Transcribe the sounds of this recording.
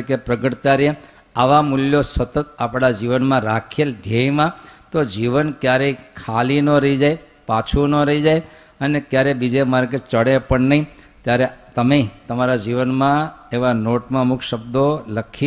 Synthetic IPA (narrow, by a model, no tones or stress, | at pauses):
kepɾəɡəʈt̪aɾe | aʋamuljosət̪ət̪apɽ̃ad͡ʒiʋənmãɾakʰeld̪ʱejmãt̪od͡ʒiʋənkjaɾekʰalinoɾəɦid͡ʒaj | pat͡ʃʰunoɾəid͡ʒaj | ənekjaɾebid͡ʒemaɾket͡ʃəɽepəɳnəɦĩt̪jaɾet̪əmet̪əmaɾad͡ʒiʋənmãeʋanoʈmãmukʰʃəbd̪oləkʰi